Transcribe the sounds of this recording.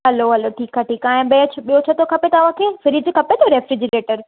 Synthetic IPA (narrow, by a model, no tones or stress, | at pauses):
ɦɐloɦɐloʈʰiːkaːʈiːkaːɦɪ̃ɓeːt͡ɕʰɓijot͡ɕʰɐt̪okʰɐpet̪ɐʋãkʰefɪɾɪd͡ʑkʰɐpet̪ʰoɾeːfɾɪd͡ʑɪɾeːʈəɾ